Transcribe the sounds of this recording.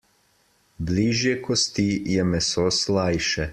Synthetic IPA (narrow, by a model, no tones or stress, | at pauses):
bliːʒjɛkʰɔst̪ijɛmɛsoslajʃɛ